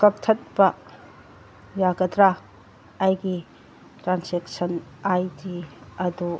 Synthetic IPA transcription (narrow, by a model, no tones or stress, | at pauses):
kɐk̚tʰɐt̚bɐ | jaɡɐdɾaː | jɡi | tɾansek̚sɐnajdiɐdu